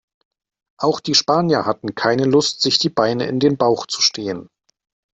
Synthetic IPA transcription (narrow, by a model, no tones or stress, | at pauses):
ʔaʊxd̥iːʃpaːnjɐhatn̩kʰaɪnəlʊstz̥ɪçd̥iːbaɪnəʔɪ̰ndeːnbaʊxt͡su̥ʃtʰeːən